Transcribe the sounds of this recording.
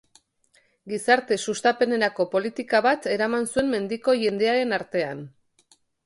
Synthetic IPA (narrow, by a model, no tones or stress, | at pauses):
ɡisaɾt̪e̞sust̪ape̞ne̞ɾako̞po̞lit̪ikaβat̪e̞ɾamansue̞mme̞nd̪iko̞ʝe̞nd̪e̞aɾe̞naɾt̪e̞an